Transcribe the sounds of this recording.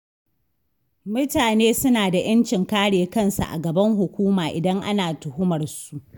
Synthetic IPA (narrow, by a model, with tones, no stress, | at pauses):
mʊ˦taː˨neː˦sʊ˦naː˨da˨j̰ɐ˦nt͡ʃɪ˨ŋkaː˦ɽeː˨kɐ˦˨nsa̰˨ʔa̰˨ɡɐ˨bɐ˦ŋɦʊ˨kʷuː˦maː˨ʔɪ˨dɐ˦ŋʔa̰˦naː˨tʊ˨hʊ˦mɐ˨rsu˨ʔʔ